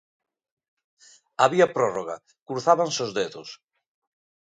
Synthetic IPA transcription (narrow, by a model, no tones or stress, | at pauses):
aβiapɾɔroɣa̰ | kuɾθaβansozðeðos